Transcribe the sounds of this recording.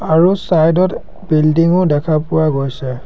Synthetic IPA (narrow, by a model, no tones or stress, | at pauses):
aɹusajdɔt | bildiŋʊdɛkʰapʊwaɡojsɛ